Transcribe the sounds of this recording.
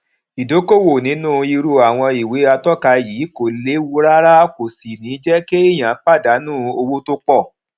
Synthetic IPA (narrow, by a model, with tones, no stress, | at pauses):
i˨do˨˦ko˦˨wo˨nĩ˨˦nũ˦˨i˧ɾu˦˨a˨w̃ɔ̃˧i˨we˨˦a˧tɔ˦ka˧jiː˨˦ko˨le˨˦wu˦ɾa˦ɾa˦ko˨si˨nĩː˨˦d͡ʒɛ˦ke˦i˦˨j̃ã˨˦k͡pa˦˨da˨˦nũː˦˨o˧wo˦to˦k͡pɔ˦˨